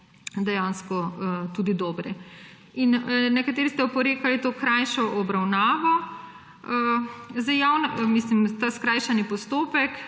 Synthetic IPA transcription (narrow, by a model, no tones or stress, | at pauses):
d̪ɛjanskɔt̪ud̪id̪ɔːbɾɛ | innɛkat̪eːɾist̪ɛupɔɾeːkalit̪oːkɾajʃɔʔɔbɾawnaːʋɔ | zajjawnmislimt̪askɾajʃanipɔst̪oːpɛk